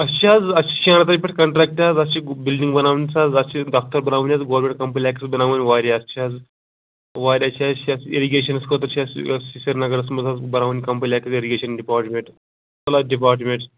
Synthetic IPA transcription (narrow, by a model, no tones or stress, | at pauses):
ɐst͡ʃʰiaːd͡zɐst͡ʃʰi̥t͡ʃʰiaːnɐt̪ɐɾʲpʲeʈkɐɳʈɾɛk̚ʈʲaːd͡zɐst͡ʃʰibilɖiŋɡbɐnaːʋɐnʲt͡saːd͡zɐst͡ʃʰiɖaːk̚t̪ɐɾbɐnaːʋunʲjaːzɡoʋɾmẽɳʈ̚kɐmpɐlʲaːkʲisbɐnaːʋɐnʲiʋaːɾʲaɐst͡ʃʰiaːd͡z | ʋaːɾʲɐt͡ʃʰiat͡ʃʰiaseɾiɡʲeːʃɐnskot̪ɐt͡ʃʰiasɐisɐɾnɐɡɐɾɐsmɐzaːzbɐnaːʋɐnʲkɐmpɐlʲaːkɐzeɾiɡʲeːʃɐnɖipaːɾʈmẽɳʈ | kɐlaːɖip̬aːɾʈmeɳʈ